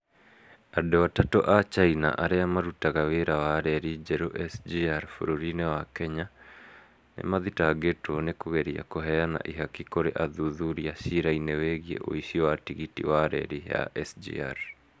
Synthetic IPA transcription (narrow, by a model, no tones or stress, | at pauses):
adowatato̰ʔat͡ʃaina̰ʔaɾeamaɾutaɣaweɾawaɾɛɾid͡ʒɛɾoʔɛsd͡ʒiaɾfoɾoɾinewakɛɲa | nḛmaðitaɡetwɔnekoɣɛɾia̰koɦɛjana̰ʔiɦakikoɾeʔaðuðuɾiasiɾaineweɣiḛʔo̰isiɔwatiɣitḭwaɾɛ̰ɾiɦa̰ʔɛsd͡ʒḭa̰ɾ